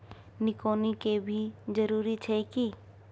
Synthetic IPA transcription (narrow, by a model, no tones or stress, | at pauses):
nɪkoːnikebʱid͡ʒəɾuːɾit͡ʃʰɛki